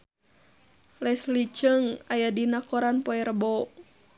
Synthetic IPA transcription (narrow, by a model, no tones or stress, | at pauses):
lɛslit͡ʃəŋajadinakɔɾanpɔɛɾəbɔ